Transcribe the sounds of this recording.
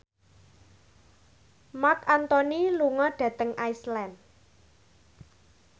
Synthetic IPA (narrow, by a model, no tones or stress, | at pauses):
makant̪ɔniluŋɔɖ̥ä̤t̪əŋʔaislɛn